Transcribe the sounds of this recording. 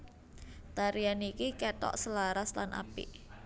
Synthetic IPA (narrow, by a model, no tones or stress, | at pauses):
t̪aɾianikikɛt̪ɔ̰ʔsəlaɾasla̰nʔa̰pɪ̰ʔ